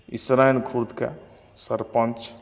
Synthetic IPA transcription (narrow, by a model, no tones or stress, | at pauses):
isɾaːjnkʰuɾd̪ka̰ | sɐɾpɐ̃nt͡ʃ